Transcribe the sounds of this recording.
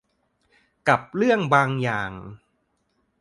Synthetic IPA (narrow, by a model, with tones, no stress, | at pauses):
ka˨˩p̚ɾɯ˥˩əŋbaː˧ŋjaː˨˩ŋ